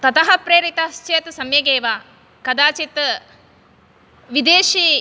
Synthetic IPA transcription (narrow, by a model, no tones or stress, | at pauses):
t̪ɐt̪ɐɦɐpɾeːɾit̪ɐst͡ʃeːt̪sɐmjɐɡeːʋaː | kɐd̪aːt͡ʃit̪ | ʋid̪eːʃiː